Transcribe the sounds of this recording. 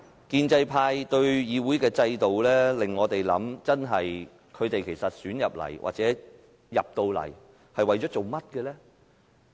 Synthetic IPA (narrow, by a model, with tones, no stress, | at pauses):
kiː˧nt͡sɐ˧jpʰaː˧jt̪ɵ˧ɥjiː˨˧wuː˨˥jkɛː˧t͡sɐ˧jt̪o˨wlɛː˥lɪ˨ŋːɔː˨˧t̪e˨jlɐ̰˨˥mt͡sɐ˥nɦɐ˨j | kʰɵ˨˧ɥt̪e˨jkʰe˨˩jsɐ˨t̚syː˨˥njɐ˨p̚lɐ̰˨˩jwʔa̰˨k̚t͡sɛː˨˥ | jɐ˨p̚t̪o˧wlɐ̰˨˩j | hɐ˨jwɐ˨jt͡ʃɔː˨˥t͡so˨wmɐ˥t̚kɛ˧lɛː˥